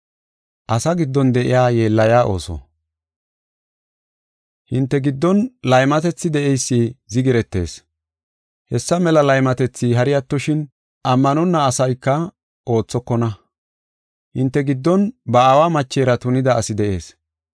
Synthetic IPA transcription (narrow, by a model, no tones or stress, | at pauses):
ʔɐsɐɡɪd̪ːɔnd̪ɛʔɪ̰jaːje̞ːlːɐjaːʔo̞̰ːsɔ̰ | hɪnt̪ːɛɡɪd̪ːɔnlɐjmɐt̪ɛt͡sːɪd̪ɛʔɛjsːiːzɪɡɪɾɛt̪ːe̞̰ːs | hɛsːɐmɛlɐlɐjmɐt̪ɛt͡sːiɦɐɾɪjɐt̪ːɔʃɪn | ʔɐmːɐnɔnːɐːsɐjkːɐ | ʔo̞ːt͡sːɔkːɔnɐ | hɪnt̪ːɛɡɪd̪ːɔnbɐawaːmɐt͡ʃːeːɾɐt̪ʊnɪd̪ɐːsɪd̪ɛʔe̞̰ːs